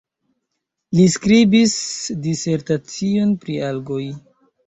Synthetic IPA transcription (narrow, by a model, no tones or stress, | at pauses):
liskɾibisdise̞ɾtat͡sio̞npɾialɡo̞j